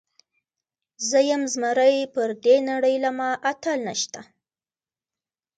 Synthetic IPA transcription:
zəjamzmaɾəjpəɾd̪enaɽəjlamɑʔat̪alnaʃt̪a

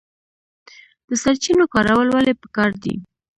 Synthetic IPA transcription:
d̪̥əsaɾt͡ʃinokɑɾawəlwalepə̥kɑɾd̪ḭ

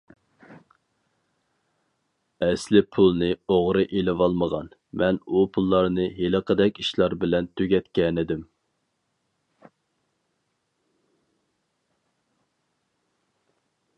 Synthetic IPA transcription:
ɛslɪpʰulˠnɨoʁɾɨʔelɪwɑlˠməʁɑ̰n | mɛnupʰulˠːɑɾnɨɦeləqʰəd̪ɛkʲiʃlˠɑɾbɪlɛnt̪ʰøɡʲɛt̪kʲɛnɪd̪ɪm

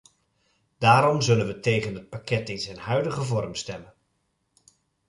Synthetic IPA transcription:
d̥aːɾɔmzɵlənʋətejɣənət̚pakɛtɪnzɛjnhœɥdəɣəvɔrmstɛmən

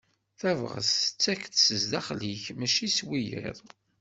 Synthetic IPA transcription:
θævʁə̰sθət͡sːækθsəzd̪æχliçmæʃiswijə̰ðˤ

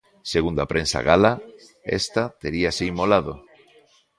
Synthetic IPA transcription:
seɣ̞und̪apɾʔẽnsa̰ɣala | ḛst̪at̪eɾiaseimolaðo

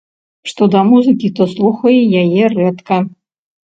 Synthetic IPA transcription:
ʂt̪ɔd̪ɐmuzɨkʲit̪ɔslˠuxɐjɛjajɛrɛt̪kɐ

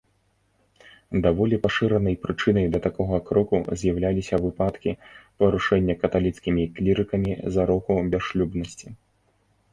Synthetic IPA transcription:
d̪avɔlʲipaʂɨɾɐnɐjpɾɨt͡ʂɨnɐjd̪ɐt̪akɔɣɐkɾɔkuzʲjawlʲalʲisʲɐvɨpat̪kʲipɐɾuʂɛnʲːɐkɐt̪alʲit̪skʲimʲiklʲiɾɨkɐmʲizaɾɔkubʲaʂlʲubnɐsʲt͡sʲi

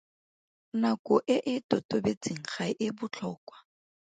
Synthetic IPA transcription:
nakʼʊʔɪʔɪtʼotʼobet͡sʼiŋ̩χaʔɪbʊt͡ɬʰɔːkʼwḁ

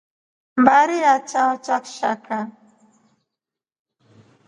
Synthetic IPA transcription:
mbaɾiat͡ʃaɔt͡ʃakʃa̰kʰa

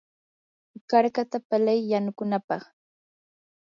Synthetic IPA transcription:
kaɾkat̪apalajːanʊkʊnapɑχ

